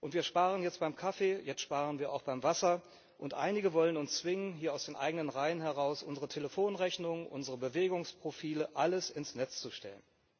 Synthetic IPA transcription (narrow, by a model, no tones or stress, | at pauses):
ʔʊntv̥iːɐʃpaːʁ̞ənjɛt͡stb̥aɪmkʰafeːjɛt͡stʃpaːʁənviːɐa̰ʊxb̥aɪmvasɐ | ʔʊntʔa̰ɪnɪɡəvɔlənʊnst͡sv̥ɪŋənɦiːɐaʊsd̥eːnʔa̰ɪɡənənʁaɪənɦɛʁaʊsʔʊnzəʁətʰeləfoːnʁɛçnʊŋənʔʊ̰nzəʁəbəveːɡʊŋspʁ̥ofiːləʔaləsɪnsnɛt͡st͡suʃtɛlən